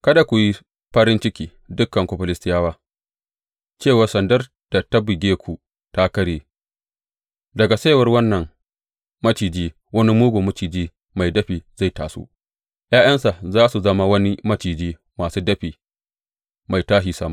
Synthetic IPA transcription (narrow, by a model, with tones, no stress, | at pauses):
kɐ˦da˨kʷu˨ji˦ | ɸɐ˦ɾɪ˦nt͡ʃɪ˦kʲiː˦ | dʊ˦kːɐ˨ŋkʷo˨ɸɐ˨lɪ˦stɪ˦jaː˦waː˦ | t͡ʃeː˦˨wa˨rsɐ˨ndɐ˦r | d̥a˨ta˦bɪ˨ɡʲeː˦kʷʰu˨ | ta˦kɐ˦ɽeː˨ | dɐ˨ɡa˨sa˦˨wɐ˦rwɐ˦nːɐ˨ŋ | mɐ˦t͡ʃiː˨d͡ʒiː˦ | wɐ˦ni˦muː˦ɡʷoː˨mɐ˦t͡ʃiː˨d͡ʒiː˦ | ma˨jdɐ˦ɸiː˨za˦˨jta̰ː˨so̰˦ | jʔaː˦j̰ɐ˦nsa˨zaː˦su˨zɐ˦ma˦wɐ˦ni˦mɐ˦t͡ʃiː˨d͡ʒiː˦ | maː˨suː˦dɐ˦ɸiː˨ | ma˨jtaː˦ʃiː˨sɐ˦ma˦˨